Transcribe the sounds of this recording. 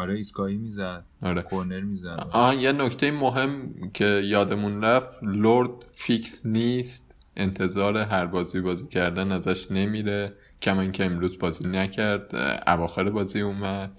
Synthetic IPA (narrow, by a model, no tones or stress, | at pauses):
ɒɾeiskɒːjimiːzæd̪̥ɒɾeːkʰoɾneɾmiːzæɒjenoct̪ʰe̞jimoɦe̞mcʰe̞jɒːd̪e̞munɾæft̪loɾd̪ficsniːst̪ | ʔe̞nt̪ʰe̞zɒːɾe̞ɦæɾbɒːziːjbɒːziːcʰæɾd̪ænæzæʃne̞miːɾe | cʰæmɒːiŋcʰe̞emɾuːzbɒːziːnæcʰæɾd̪̥æ̰vɒːxe̞ɾebɒːziːuːmæd̪̥̚